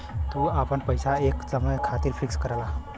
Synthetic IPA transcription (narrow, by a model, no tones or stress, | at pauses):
t̪uːapəɳpəjsaekt͡səmɭəjkʰat̪iːɾfikskəɾala